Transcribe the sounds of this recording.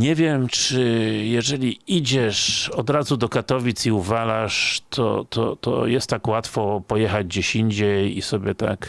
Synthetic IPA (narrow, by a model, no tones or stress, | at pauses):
ɲɛvʲjɛmt͡ʂɘjɛʐɛlʲiid͡ʑɛʂɔd̪ɾazud̪ɔkat̪ɔvʲit̪siuvalaʂt̪ʰɔ̰t̪ʰɔ̰t̪ɔ̰jɛst̪ːakwat̪fɔpɔjɛxad͡ʑd͡ʑeɕiɲd͡ʑɛjḭsɔbʲjɛt̪a̰k